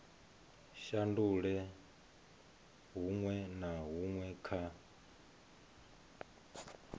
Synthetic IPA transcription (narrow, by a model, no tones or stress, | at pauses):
ʃanduɺɛ | ɦuŋwɛnaɦuŋwɛkʰa